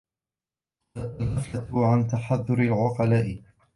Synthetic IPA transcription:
aʔalhaflaʕant̪aħaðːʊɾɪlʕʊqɑlaːʔɪ

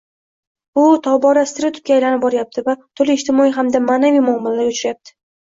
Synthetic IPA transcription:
ʊt̪ʰɒbɒɾasɪt̪ɪɾɪt̪ʰʊp̚kʲaːjlanɪp̚bɒɾjap̚t̪ʰɪvat̪ʰʊlɪɪʃt̪ʰɪmɒijɦamd̪amaːnavijmʊɒmɪlalaɾʊt͡ʃʰɾajap̚t̪ʰɪ̥

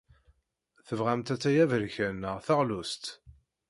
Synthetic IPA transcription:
θəvʁæmt̪æt͡sːæjævəɾçənːəʁθəʁlust̪

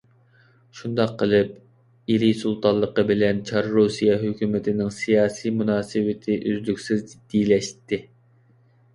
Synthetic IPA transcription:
ʃund̪ɑqʰːəlˠɨp̚ | iɾisulˠt̪ʰɑllˠːəqəbɪlɛnt͡ʃʰɑɾɾusijɛɦøkʲymɪt̪ʰɪnɪŋsijɑːsijmunɑːsɨwɪt̪ʰɪʔyzlykʲsɪzd̪̥ilɛʃt̪ːɪ

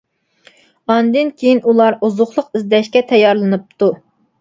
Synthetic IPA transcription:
ɑnd̪ɨnkʲʰejinulˠɑɾuzʊχlˠʊqizd̪ɛʃkʲɛt̪ʰɛjɑɾlˠɨnɨp̚t̪ʰu

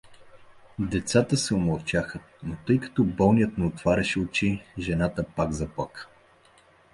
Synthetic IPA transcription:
d̪ɛt̪sat̪əsɛʊmɐlˠt͡ʃaxə | not̪ɤjkɐ̥t̪ɔbɔlˠnijət̪nɛot̪vaɾʲɐʃɛʊt͡ʃiʒɛnat̪əpaɡzɐplˠak

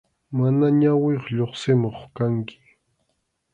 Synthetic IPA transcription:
manaɲaweχʎoχsɪmoχkaŋkɪ̥

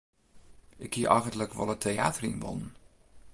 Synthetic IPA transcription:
ʔɪkʰːiəʔajɣəntləkʋɔ̰lˠətʰea̰ːtərḭnbɔ̰nən

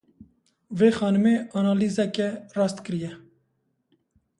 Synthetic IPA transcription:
veːxɑːnɨmeːɑnɑːliːzɛkɛrɑːst̪kəɾijɛ

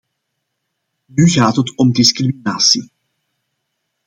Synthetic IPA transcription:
nyɣaːtɦətɔmdɪskriminaːsi

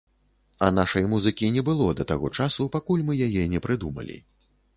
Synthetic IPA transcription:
ɐnaʂɐjmuzɨkʲinʲɛbɨlˠɔd̪ɐt̪aɣɔt͡ʂasupakulʲmɨjajɛnʲɛpɾʔɨd̪umɐ̰lʲḭ

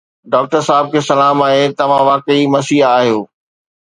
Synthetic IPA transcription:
ɖaːk̚ʈəɾsaːɪb̚kʰeːsɐlaːmaːɦet̪ɐʋ̤ãʋaːkəimɐsiːaːɦijoː

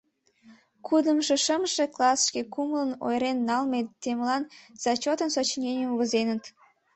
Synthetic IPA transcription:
kʰud̪əmʃeʃəmʃeklɑsʃkekumləno̰jɾenːɑlmet̪emlɑnz̥ɑt͡ɕot̪ənsot͡ɕnʲenʲemβəzenət̪

